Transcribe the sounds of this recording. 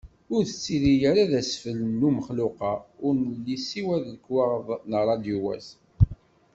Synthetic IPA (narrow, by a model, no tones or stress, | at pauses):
ʊɾθət͡sːiðijəɾaðæsfəlnːuməχlʊqɑʊɾnəlːisiwæðəkːwɑʁðnərˤɑd̪juwæ̰s